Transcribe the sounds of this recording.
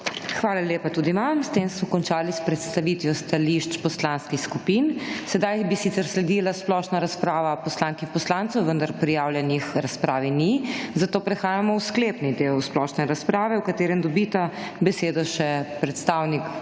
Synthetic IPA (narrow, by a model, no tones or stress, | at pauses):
xʋaːlaleːpat̪uːd̪iʋamst̪emsmɔkɔnt͡ʃaːlispɾɛt̪st̪aʋit̪ʋjɔst̪aliʃt͡ʃpɔslanskixskupinsɛd̪ajbisit̪sɛɾslɛd̪ilasplɔːʃnaɾaspɾaːʋapɔslaŋkixpɔslant̪sɔwʋənd̪aɾpɾijawljɛnixɾaspɾaːʋinizat̪oːpɾɛxaːjamɔwskleːpnid̪ewsplɔʃnɛɾaspɾaːʋɛwkat̪eːɾɛmd̪ɔbit̪a | bɛseːd̪ɔʃɛpɾɛt̪st̪awnik